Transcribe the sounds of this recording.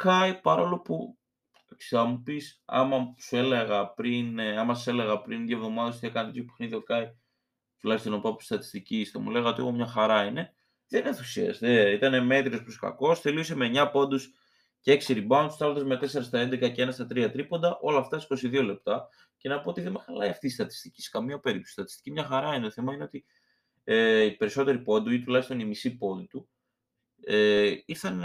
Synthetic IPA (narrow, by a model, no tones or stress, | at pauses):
kɐipɐɾo̞lo̞pu | sɐmupisɐ̰mɐsue̞leɣɐpɾinɐmɐse̞le̞ɣɐpɾinðiovðo̞mɐðɐs̬t̪ie̞kɐnɐt̪et̪ʰopexniðio̞kɐi | t̪ulɐçst̪onpɐpu̥st̪ɐt̪i̥st̪icist̪ɐ̰mṵle̞ɣɐo̞t̪ieɣomɲɐxɐɾɐine̞ | ðenenθu̥siɐ̰st̪eit̪ɐne̞me̞t̪ɾiopɾoskɐ̰ko̞sθe̞liosemeɲɐpo̞nd̪us | ceeksiɾibɐont̪u̥sθɐlɐt̪ozme̞t̪e̞se̞ɾɐst̪ɐe̞nd̪ekɐceenɐst̪ɐt̪ɾiɐt̪ɾipo̞nd̪ɐʔo̞lɐːft̪ɐsko̞siðio̞le̞p̚t̪ɐ | ce̞nɐpo̞ot̪iðemɐxɐlɐ̰iɐft̪iːst̪ɐt̪i̥st̪ici̥se̥kɐmiɐpe̞ɾip̚t̪o̥sist̪ɐt̪i̥st̪i̥cimɲɐxɐɾɐinet̪oθemɐine̞o̞t̪i | ipe̞ɾiso̞t̪e̞ɾipo̞nd̪uit̪ulɐçist̪o̞nimisipo̞nd̪ut̪u | eiθɐn